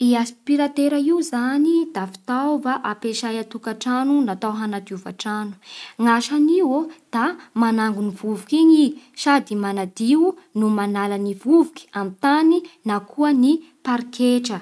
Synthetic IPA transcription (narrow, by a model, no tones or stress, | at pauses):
iaspiɾat̪eɾaiwzanid̪̥afi̥t̪awvaʔapeʃajat̪ukaʈ͡ʂanunat̪awɦanad̪iuvaʈ͡ʂanu̥ŋaʃaniwod̪̥amanaŋɡunivuvukiɲisad̪imanad̪iwnumanalanivuvu̥ki̥amit̪aninakʰuəni | paɾkeʈ͡ʂə